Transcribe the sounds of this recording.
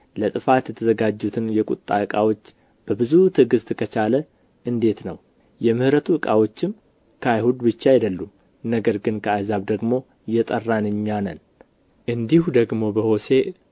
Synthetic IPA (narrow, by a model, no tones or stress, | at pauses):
lət̪ʼɨfat̪jɛt̪ʰəzəɡad͡ʒːut̪ʰɨnjɛkʼṵt̪ʼːa̰ɨkʼawo̞t͡ʃː | b̥əbɨzut̪ʰɨɡɨst̪kʰət͡ʃalə | ʔɨnd̪e̞t̪nəw | jɛmɨhɾət̪ʰuɨkʼawo̞t͡ʃːɪm | kʰəajhud̪bɨt͡ʃːaid̪əlːum | nəɡəɾɡɨnkʰəajzaβd̪əɡmo̞ | jɛt̪ʼərːanɨɲːanən | ʔɨnd̪ihud̪əɡmo̞bəho̞se